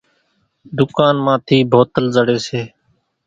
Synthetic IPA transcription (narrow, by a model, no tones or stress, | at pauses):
d̪ʊkaːnmãːt̪ʰiːbʱoːt̪əlzəɽeːseː